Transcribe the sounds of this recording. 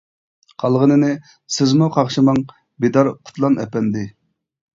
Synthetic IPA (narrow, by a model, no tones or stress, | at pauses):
qʰɑlˠʁənɨnɪ | sɪzmuqʰɑʁʃimɑŋ | bed̪ɑɾqʰʊ̥t̪ʰlˠɑnʔɛ̰pɛnd̪ɪ